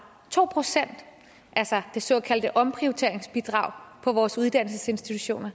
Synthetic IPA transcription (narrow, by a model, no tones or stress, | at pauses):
t͡sʰo̝̰ːpʰʁosen̰d̥ | ʔælsɐd̥e̝sɒ̰̽ːkʰæld̥əʔɒ̽mpʰʁiot͡sʰe̝ɐ̰eŋsb̥id̥ʁɑ̈ʊpʰɒ̽ʋɒːsuð̞ˠd̥æn̰l̩səse̝nsd̥it͡sʰuɕo̝̰ːnɐ